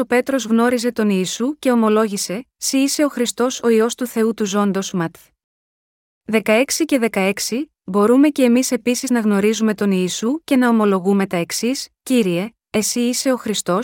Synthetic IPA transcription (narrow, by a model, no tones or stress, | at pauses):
o̞pe̞t̪ɾo̞zɣno̞ɾize̞t̪o̞niːsuce̞o̞mo̞lo̞ʝise̞siːse̞o̞xɾist̪o̞so̞io̞st̪uθe̞ut̪uzo̞nd̪o̞zmɐt̪ | ðe̞kɐe̞ksice̞ðe̞kɐe̞ksi | bo̞ɾume̞ce̞ːmise̞pisiznɐɣno̞ɾizume̞t̪o̞niːsuce̞nɐo̞mo̞lo̞ɣume̞t̪ɐeksisciɾie̞ | e̞siːse̞o̞xɾist̪o̞s